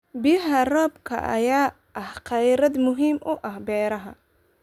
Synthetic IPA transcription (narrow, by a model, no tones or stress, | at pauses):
bɪjɐɦɐrɔːbkʰɐ̰ʔɐ̰jaː | ʔɐhqɐjɾɐd̪mʊɦiːmʔʊʔɐhbɛːɾɐɦɐ̰